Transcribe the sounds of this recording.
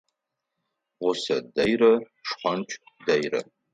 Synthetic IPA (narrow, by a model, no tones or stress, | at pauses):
ʁʷʊsɐdɐjrɐ | ʂχʷant͡ʃʷʰʼdɐjrɐ̰